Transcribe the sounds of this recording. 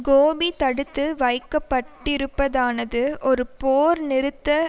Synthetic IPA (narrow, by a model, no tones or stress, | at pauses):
ɡoːbit̪ɐɽɯt̪ːɯʋɐɪkːɐpːɐʈːɪɾɯpːɐðaːnɐðɯʔɔɾɯpoːɾnɪɾɯt̪ːɐ